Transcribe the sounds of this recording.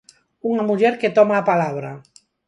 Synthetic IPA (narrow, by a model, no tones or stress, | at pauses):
uŋamuʎeɾket̪ɔmaːpalaβ̞ɾa